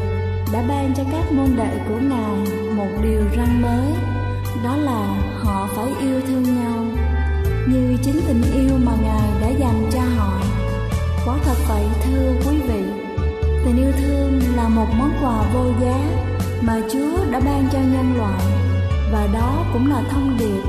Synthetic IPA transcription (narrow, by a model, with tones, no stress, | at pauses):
ɗa̰ː˧˥ɓaː˧nt͡ɕɔ˧kaː˦˥k̚mo˧nɗə̰˧˨jku˧˩ənaː˨˩m | mo˨˩t̚ɗi˨˩əwza˧ŋməː˨˦j | ɗɔ˨˦laː˨˩hɔ̰˧˨faː˧˩jʔi˧əwt̪ʰɨ˧əŋɲa˧w | ɲɨ˧t͡ɕï˨˦ŋ̟t̪ï˨˩ŋ̟ʔi˧əwmaː˨˩ŋaː˨˩jɗa̰ː˧˥za˨˩jmt͡ɕɔ˧ɦɔ̰˧˨ | kwaː˨˦t̪ʰə˨˩t̚kɔ˧˩˧t̪ʰɨ˧əkwi˨˦vḭ˧˨ | t̪ʰï˨˩ŋ̟ʔi˧əwt̪ʰɨ˧əŋlaː˨˩mo˨˩t̚mɔ˨˦nkwaː˨˩vo˧zəː˨˦j | maː˨˩t͡ɕu˨˦əɗa̰ː˧˥ɓaː˧ŋt͡ɕɔ˧ɲə˧nlwa̰ː˧˨j | vaː˨˩ɗɔ˨˦kʊ̰˧˥ŋ͡mlaː˨˩t̪ʰə˧wŋ͡mɗi˨˩ət̚